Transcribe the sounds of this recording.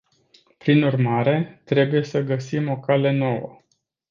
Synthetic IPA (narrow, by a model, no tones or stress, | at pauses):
pɾinurmaɾe̞t̪ɾe̞buje̞səɡəsimo̞kale̞no̞wə̰